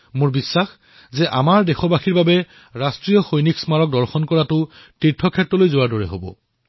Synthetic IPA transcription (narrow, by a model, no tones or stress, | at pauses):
moɹbisːax | zɛʔamaɹdɛxɔbaxiɹbabɛ | ɹastɹijɔxojniksmaɹɔk̚dɔɹxɔnkɔɹatʊ | titʰːɔkʰɛtɹɔlojzowaɹdɔɹɛɦobɔ̰